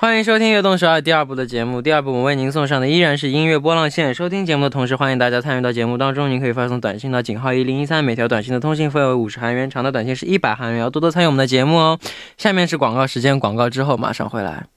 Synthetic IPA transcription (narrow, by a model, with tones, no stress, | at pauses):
xwa˥ni˧˥ŋʂ̬o˥ʊt̪ʰi˥ŋɥɛ˥˧t̪ʊ˥˩ŋʂ̬o˧˥ə˞˥˨˩t̪̬i˥˧ɐ˞˥˧pu˥˩d̪ə˩t͡ɕjɛ˧˥mu˥˩t̪i˥˧ɐ˞˥˧˩p̬u˥˩wɔ˨˩we˥˩ɪni˧˥ns̬ʊ˥˧ŋʂ̬ɑ˥˩ŋd̪ə˩i˥ɻa˧˥nʂ̬ɻ̩˥˧i˥nɥɛ˥˩p̬wɔ˥lɑ˥˧ŋɕjɛ˥˩nʂo˥ʊt̪ʰi˥ŋt͡ɕjɛ˧˥mu˥˩d̪ə˩t̪ʰʊ˧˥ŋʂɻ̩˥˧˩xwa˥ni˧˥ŋt̪a˥˧t͡ɕja˥t͡sʰny˥˧t̪ɑ˥˩t͡ɕjɛ˧˥mu˥˩t̪ɑ˥ŋʈ͡ʂʊ˥ŋni˧˥ŋkʰɤ˧˥i˨˩fa˥ɤ˥˧ŋ˩t̪wa˨˩nɕi˥˧ŋt̪ɑ˥˩ʊt͡ɕi˨˩ŋxɑ˥˧ʊi˥˩li˧˥ŋi˥sʰa˥nme˨˩ɪt̪ʰɑ˧˥ʊtwa˨˩nɕi˥˩ŋd̪ə˩t̪ʰʊ˥ŋɕi˥˧ŋfə˥˩nwe˧˥ɪu˨˩ʂɻ̩˧˥xa˧˥nɥɛ˧˥nʈ͡ʂʰɑ˧˥ŋd̪ə˧t̪wa˨˩nɕi˥˧ŋʂɻ̩˥˧i˥˩pa˨˩ɪxa˧˥nɥɛ˧˥˧t̪ɔ˥t̪ɔ˥ny˥˩wɔ˨˩˦d̪ə˧t͡ɕjɛ˧˥mu˥˩ | ɕja˥˧mjɛ˥˧nʂɻ̩˥˩kwɑ˨˩ŋkɑ˥˩ʊʂɻ̩˧˥t͡ɕjɛ˥nkwɑ̰˨˩ŋkɑ˥˩ʊʈ͡ʂɻ̩˥xo˥˩ʊma̰˨˩ʂɑ̰˥˧ŋxwe˧˥ɪla̰˧˥ɪ